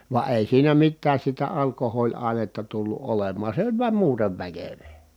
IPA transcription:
ʋɑ eˑi siːnæ mitːæːs sitæ ɑlkohoːlʲɑˑi̯netːɑ tulːu ʔolemːɑːn̞ se olʲ ʋuɑm muːteʋ ʋækøʋeː

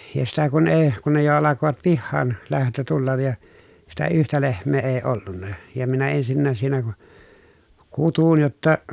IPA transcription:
jɑ sitæ kun eː kun ne jo ɑlɑkoʋɑt pihːɑːn læhtø tulːɑj jɑ sitæ yhtæ lehmˑeː eː olːunːɑ jɑ minæ ensinːæːs siːnæ ku kutun jotːɑ

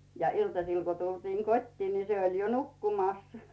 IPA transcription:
jɑ iltɑsil ko tultiːŋ kotʲtiːn ni se olˑ jo nukːumɑˑs

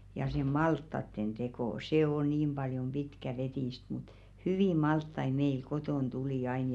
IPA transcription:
jɑ se mɑltːɑtːen d̥eko se o niːm b̥ɑljom b̥itkæʋetiˑst mut hyʋiˑ mɑltːɑi meil kotoˑn tuliˑ ɑin

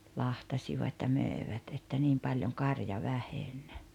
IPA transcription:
lɑhtɑsiʋɑt jɑ møˑeʋæt etːæ niːm pɑljoŋ kɑrjɑ ʋæhenʲ

